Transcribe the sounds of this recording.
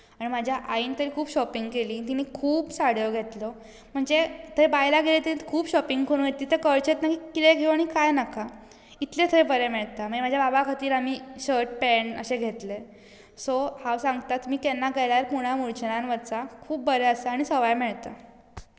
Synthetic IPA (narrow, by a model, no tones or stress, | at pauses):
aɽ̃imad͡ʑʱjaʔaiːnt̪əɾiːkʰuːbɕɔpiŋɡkeliːt̪in̤ikʰuːbsaɽjoɡʱet̪lɔ | m̤əɳd͡zet̪ʰəɾebajlaɡʱelet̪inet̪kʰuːbɕɔpiŋɡkʰoɽ̃ũɡʱet̪iːt̪əkəɭt͡ɕet̪nakiːkit̪eɡʱewaɽ̃ikajnakʰa | it̪let̪ʰəebəɾemeɭt̪am̤əemad͡ʑʱjababakʰat̪iːɾamiːɕəɾʈ̚pɛnə̰ɕeɡʱet̪le | sohaʋsãŋɡt̪at̪miːkenːaɡajljaɾpuɽ̃amuɾt͡ɕnanʋəɾt͡sakʰuːp̚ːbəɾeəsaaɽ̃isəʋajmeɭt̪a